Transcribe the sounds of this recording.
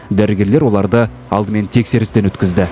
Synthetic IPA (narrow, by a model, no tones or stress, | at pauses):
d̪æɾɡʲe̞ɾle̞ɾwo̞lˠɑɾd̪ə | ɑ̰lˠd̪əme̞nt̪ʰe̞kse̞ɾɪst̪enwɵt̪̚kʲɪzd̪ɪ